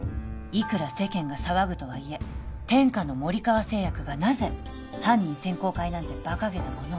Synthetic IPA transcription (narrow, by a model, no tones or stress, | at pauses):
ikɯ̟ɾase̞kẽ̞ŋɡasaβaɡɯ̟t̪o̞β̞aie̞t̪ẽ̞ŋkano̞mo̞ɾʲikaβase̞ːjakɯ̟ɡanaze̞ | hãɲ̟ːĩɰsẽ̞ŋko̞ːkainãnt̪e̞b̥akaɡe̞t̪amo̞no